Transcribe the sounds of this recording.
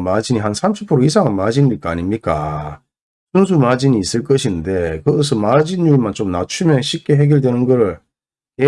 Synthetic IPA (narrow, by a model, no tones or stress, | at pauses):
mad͡ʑiɲiɦansʰamɕʰipʰɯɾois̬ʰaŋanmad͡ʑiɲːiɭk͈aːɲimɲik͈a̰ | sɯns̬ʰumad͡ʑiniːs͈ɯɭk͈ʌɕʰinɯnde̞kɯɡʌs̬ʰʌmad͡ʑinumant͡ɕomnat͡ɕʰumjʌnɕʰik͈e̞ɦe̞ɡiɭdwe̞nɯnɡʌɾɯɭ | je